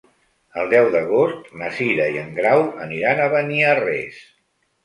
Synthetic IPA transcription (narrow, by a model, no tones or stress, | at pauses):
əlˠd̪ɛwðəɣ̞ost̪məsiɾəiəŋɡɾawə̰niɾanəβəniərɛs